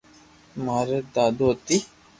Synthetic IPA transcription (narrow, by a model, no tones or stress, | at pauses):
maːɾed̪aːd̪ot̪i